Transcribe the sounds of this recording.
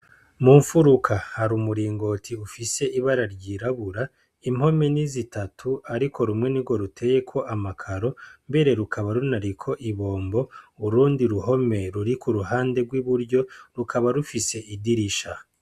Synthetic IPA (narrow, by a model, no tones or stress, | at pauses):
muːɱfuɾukʰahaɾumuɾiːŋɡo̞tʰiufise̞ʔiβaɾaɾɟiːɾaβuɾa | imho̞me̞nizitatʰuaɾiko̞ɾumŋe̞niɡwo̞ɾutʰe̞je̞kʰo̞ʔamakʰaɾo̞mbe̞ɾe̞ɾukʰaβaɾunaɾikʰo̞ʔiβo̞ːmbo̞uɾuːndiɾuɦo̞me̞ɾuɾikuɾuɦaːnde̞ɡwiβuɾɟo̞ɾukʰaβaɾufise̞ʔidiɾiʃa